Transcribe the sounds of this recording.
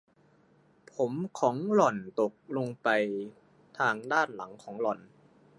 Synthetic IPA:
pʰo˩˦mkʰɔː˩˦ŋlɔ˨˩nt̪o˨˩k̚lo˧ŋpa˧j | t̪ʰaː˧ŋdaː˥˩nla˩˦ŋkʰɔː˩˦ŋlɔ˨˩n

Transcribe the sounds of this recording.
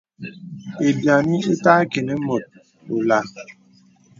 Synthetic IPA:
e˨dja˨ni˦e˦ta˦ke˨ne˦mo˨t̚ | o˨la˨

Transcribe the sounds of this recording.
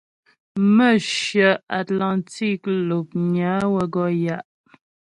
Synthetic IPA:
mə˦˨ʃjə˨a˨tla˨nti˦˨klo˨p̚ɲa˨˦wə˦ɡɔ˦ja˨ʔ

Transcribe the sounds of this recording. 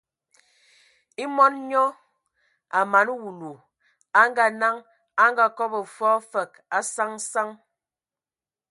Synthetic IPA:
i˦mɔ˦nɲɔ˦ | a˨ma˨n˦wu˨lu˨ | a˦ŋ˦ɡa˦na˦ŋ | a˦ŋɡa˦kɔ˦bə˨fɔ˦fə˨k | a˨sa˦ŋsa˦ŋ

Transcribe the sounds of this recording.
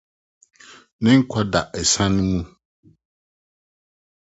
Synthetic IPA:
nɪ̃˦ŋ̩˦kʷʰɔ˦da˨ʔɛ˨sã˦nɪ̃˦mũ˦

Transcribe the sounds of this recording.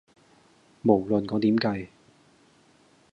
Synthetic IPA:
mo˨˩wlɵ˨nkɔː˨˧˥t̪iː˨˥mkɐ˧j

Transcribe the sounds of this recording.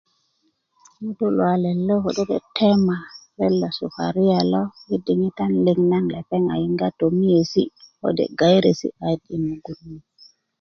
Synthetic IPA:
ɗu˦lwa˨lɛ˨lːɔ˦hɔ˨ɗɛ˦ɗɛ˨tʰɛ˦ma˨ɾɛ˦lːa˨su˨fa̰ɾi˦ja˨la˦ji˦di˨ŋi˦ta˦nli˨ŋna˦nla˨pɛ˦ŋa̰˨ji˦ŋɡa˦to˨mi˦je˨si˦hɔ̰dɛ̰˨ɡa˨jɾe˨sḭ˦a˨jdi˨nu˨ɡu˨nmi˨

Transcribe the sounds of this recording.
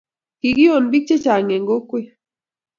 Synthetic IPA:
ki˨ɡi˦jo˨nbi˦k̚t͡ʃe˦t͡ʃa˨ŋe˨ŋɡo˦kwe˦

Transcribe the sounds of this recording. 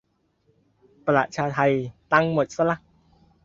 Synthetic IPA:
pa˧la̰˨˩t̪̚t͡ɕʰaː˧t̪ʰa˧jt̪a˧˩ŋmo˨˩t̪̚sa˧la˧˩k̚

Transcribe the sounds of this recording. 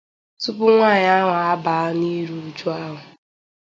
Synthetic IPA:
tu˦pʊ˦ŋʷaː˦˨ɲ˦a˦ŋa˨a˦ba˨˦ni˦ɾu˨u˨d͡ʒu˦a˦ɦʊ˨

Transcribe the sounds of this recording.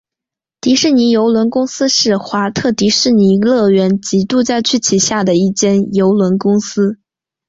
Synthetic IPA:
t̪i˧˥ʂɻ̩˥˩ni˧˥jo˧˥ʊlwə˧˥nkʊ˥ŋsɹ̩˥ʂɻ̩˥˩xwa˧˥t̪ʰɤ˥˩t̪i˧˥ʂɻ̩˥˩ni˧˥lɤ˥˩ɥɛ˧˥nt͡ɕi˧˥t̪u˥˧t͡sa˥˧ɪt͡ɕʰy˥˩t͡ɕʰi˨˩ɕja˥˩d̪ə˩i˥˩t͡ɕjɛ˥˩njo˧˥ʊlwə˧˥nkʊ˥ŋsɹ̩˥

